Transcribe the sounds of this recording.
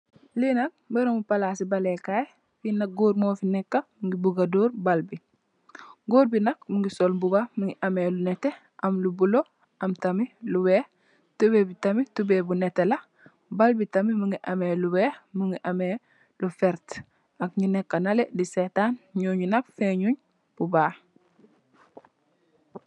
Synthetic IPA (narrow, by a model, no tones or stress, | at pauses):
linɐk̚beɾomupalaːsibalekaj | finak̚ɡoːɾmoːfinekːamuŋɡibuɡadoːɾbalbi | ɡoːɾbinak̚muŋɡisolbubamuŋɡiʔamelunete | ʔɐmlubulo | ʔɐmtamiluweː | tubebitamitubebunetela | balbitamimuŋɡiʔameluweːhmuŋɡiʔame | lufeɾt | akɲinekːanaledisetaːnɲuːɲunakfeɲuɲ | b̥ubaː